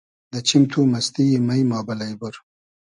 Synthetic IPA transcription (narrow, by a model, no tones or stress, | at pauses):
d̪ət͡ʃimt̪ʰumast̪ijimajmɑːbalajbʊɾ